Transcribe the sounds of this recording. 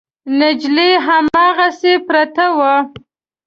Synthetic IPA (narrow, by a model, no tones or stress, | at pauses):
nɪd͡ʒleɦamɑɣasepɾat̪awa